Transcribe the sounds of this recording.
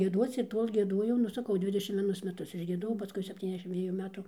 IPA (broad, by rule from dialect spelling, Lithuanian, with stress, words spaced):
ɡʲiɛˈduɔt͡s ɪr ˈtoːlʲ ɡʲiɛˈduɔjɛʊ nʊ sɐˈkɐʊ ˈdʲʋʲɪdʲɛʃʲɪm ʋʲiɛˈnʊs mʲɛˈtʊs ɪʒʲɡʲiɛˈdoːjɛʊ pɐˈskʊɪ sʲɛpʲˌtʲiːnʲɛzʲˈdʲæːʃʲɪm ˈdʲʋʲiɛjuː ˈmʲæːtʊ